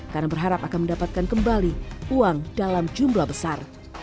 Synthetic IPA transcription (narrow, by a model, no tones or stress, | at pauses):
karnabərɦaɾapakanməndapat̪̚kankəmbaliuaŋd̥alamd͡ʒumblabəsar